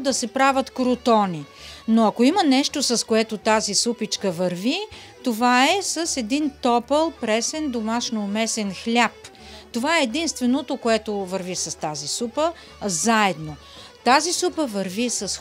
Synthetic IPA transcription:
d̪ɐsɛpɾavət̪kɾot̪ɔni | noɐkoimənɛʃt̪osɐskoɛt̪ot̪azisupit͡ʃkəvɐɾvi | t̪ovaɛsɐsɛd̪int̪ɔpəlˠpɾɛsɛnd̪omaʃnoːmɛsɛnxlʲap | t̪ovaɛːd̪inst̪vɛnot̪okoɛt̪ovɐɾvisɐst̪azisupə | zaɛd̪no | t̪azisupəvɐɾvisɐs

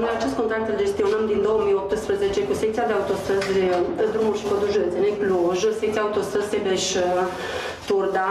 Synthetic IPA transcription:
nojat͡ʃest̪kot̪ɾak̚t̪ɨld͡ʒe̞st̪io̞nəmd̪ind̪o̞wəmijop̚t̪ɨspɾəzet͡ʃe̞kusek̚t̪siad̪eaut̪o̞st̪əzʲd̪ɾumulʲʃi̥pod̪uʒud̪ət̪senek̚ʲpluʒəsek̚t̪siaut̪o̞st̪əz̥sebeʃ | t̪urd̪a

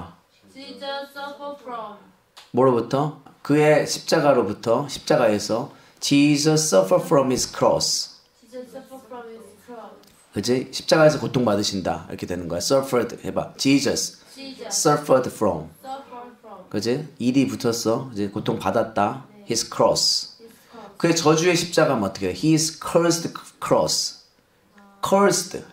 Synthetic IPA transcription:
moɾobutʰʌkɯe̞ɕʰi̥p̚t͡ɕ͈aɡaɾobutʰʌɕʰi̥p̚t͡ɕ͈aɡae̞sʰʌ | t͡ɕid͡ʑʰʌss͈ʌfʰʌfʰɾʌmiskʰɾɔ̰s | kɯd͡ʑiɕʰi̥p̚t͡ɕ͈aɡaesʰʌkotʰoŋpadɯɕʰinda̰iɾʌ̰kʰe̞dwenɯnɡʌjeos͈ʌfʰedheba̰t͡ɕid͡ʑʌs | s͈ʌfʰədfʰɾʌm | kɯd͡ʑiiɾiputʰʌsʰʌkɯd͡ʑikotʰoŋpadat̚t͈ahiskʰɾɔ̰s | kɯet͡ɕʌd͡ʑue̞ɕʰip̚t͡ɕ͈aɡamnʌt͈ʌkʰeoçiskʰʌstkʰɾɔ̰s | kʰʌstʰ

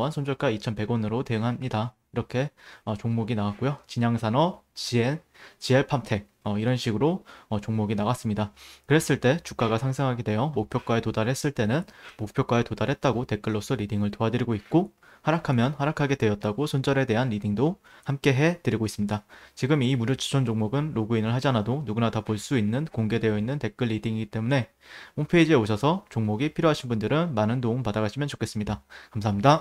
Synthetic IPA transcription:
ɦansʰond͡ʑʌɭk͈ait͡ɕʰʌnpe̞ɡwʌnɯɾote̞ɯŋɦamɲida | iɾʌkʰe̞ʌt͡ɕoŋmoɡinawak͈ojot͡ɕiɲaŋsʰanʌt͡ɕie | t͡ɕieɭpʰamtʰe̞k̚ʌiɾʌnɕʰiɡɯɾoʌt͡ɕoŋmoɡinawas͈ɯmɲidakɯɾe̞s͈ɯɭt͈e̞t͡ɕuk͈aɡasʰaŋsʰeŋɦaɡidwe̞jʌmok̚pʰjok͈waetodaɾɦe̞s͈ɯɭt͈e̞nɯnmok̚pʰjok͈aetodaɾɦe̞t̚t͈aɡote̞k͈ɯɭːos͈ʰʌɾidiŋɯɭtoɦadɯɾiɡoit̚k͈o | haɾakʰamjʌnhaɾakʰaɡe̞dwe̞jʌt̚t͈aɡosʰond͡ʑʌɾe̞de̞ɦanɾidiŋdohamk͈e̞ɦe̞tɯɾiɡois͈ɯmɲidat͡ɕiɡɯmimuɾot͡ɕʰu̥t͡ɕʰond͡ʑoŋmoɡɯnɾoɡuinɯɭɦad͡ʑianadonuɡunatapoɭs͈uinːɯnkoŋɡe̞de̞jʌinːɯnte̞k͈ɯɭːidiŋiɡit͈e̞mune̞ | hompʰeid͡ʑie̞oɕʰʌsʰʌt͡ɕoŋmoɡipʰiɾjoɦaɕʰinbundɯɾɯnmanɯndoɯmpadaɡaɕʰimjʌnt͡ɕo̥kʰe̞s͈ɯmɲidakamsʰaɦamɲida

